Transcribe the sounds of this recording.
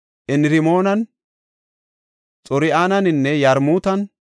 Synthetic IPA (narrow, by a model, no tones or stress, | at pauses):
ʔɛnɾɪmoːnɐn | t͡sʼɔɾɪaːnɐnɪnːɛjɐɾmuːt̪ɐn